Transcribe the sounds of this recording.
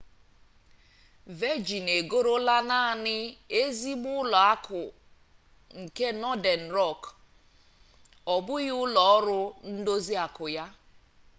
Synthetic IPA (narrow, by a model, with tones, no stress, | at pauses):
ve˦d͡ʒi˨ne˨ɡo˦ɾo˦la˦na˦˨nɪ˦e˦zi˦m˦ʊ˦lɔ˨a˦kʰʊ˨ | ŋ̩˨ke˦nɔ˦de˨n̩˨ɾɔ˦˨k | ɔ˨bʊ˦ɣʊ˦lɔ˨ɔ˦ɾʊ˦n̩˦do˦zi˦a˨kʊ˨ja˦